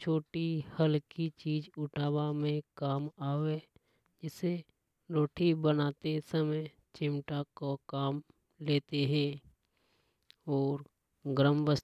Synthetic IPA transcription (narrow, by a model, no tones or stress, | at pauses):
t͡ʃʰoːʈihəlkit͡ʃiːd͡ʒʊʈʰaːbamẽkaːmaːʋe | d͡ʒɪse | ɾoːʈʰibənaːt̪esəməj | t͡ʃɪmʈakokaːm | leːt̪eɦɛ̃ː | ɔːɾ | ɡɾəmʋəs